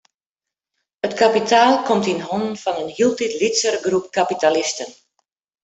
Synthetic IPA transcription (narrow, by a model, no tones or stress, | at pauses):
ətkapitʰaːlˠkɔmtinɦɔnənfɔnənhilˠtitlitsərɡrup̚kapitalɪstən